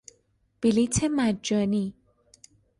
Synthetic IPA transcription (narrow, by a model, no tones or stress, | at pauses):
b̥ilitʰemad͡ʒɔni